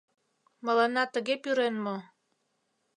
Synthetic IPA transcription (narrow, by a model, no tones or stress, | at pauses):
məlɑnɑt̪əɣepyɾenmo